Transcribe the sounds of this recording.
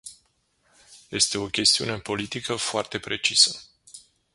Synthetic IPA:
je̞st̪e̞o̞kʲe̞st̪iune̞ɨpo̞lit̪ikəfoart̪e̞pɾe̞t͡ʃisə

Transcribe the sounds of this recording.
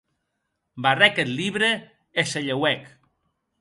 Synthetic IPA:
barɛket̪liβɾe | eseʎewɛk

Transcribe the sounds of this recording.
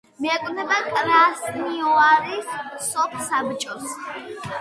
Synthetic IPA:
mijakʷʼnɐbɐkʼɾasnioaɾisopʰʼsabɨt͡ʃʼɔs

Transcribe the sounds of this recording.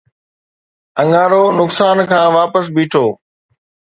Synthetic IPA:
ə̃ŋɡaːɾoːnʊksaːnkʰãːʋaːpəs̬biːʈʰoː

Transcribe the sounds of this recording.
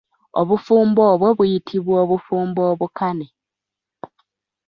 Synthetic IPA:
o̰βufuːmboːβwe̞βujitʰiβwoːβufuːmboːβukane

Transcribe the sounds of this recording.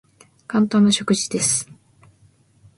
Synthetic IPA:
kãnt̪ãnːaɕo̞kɯ̟ʑid̪e̞sɨ̥

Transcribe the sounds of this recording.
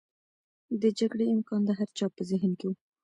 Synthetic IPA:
d̪əd͡ʒaɡɽeɪmkɑnd̪əɦaɾt͡ʃɑpəzɪɦnkewu

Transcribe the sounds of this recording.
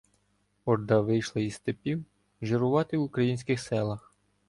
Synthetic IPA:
ɔɾd̪ɑʋɪjʃlˠɐist̪epʲiw | ʒɪɾʊʋɑt̪ɪwʊkɾɐjinʲsʲkɪxsɛlˠɐx

